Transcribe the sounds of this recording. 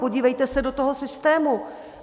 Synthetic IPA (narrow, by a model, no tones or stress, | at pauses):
po̞ɟiːvɛjt̪ɛsɛdo̞t̪oɦosɪst̪ɛːmu